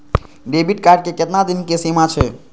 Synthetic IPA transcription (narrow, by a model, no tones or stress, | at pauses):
ɖebiʈkaɾɖ̚keket̪nad̪inkesimat͡ʃʰɛ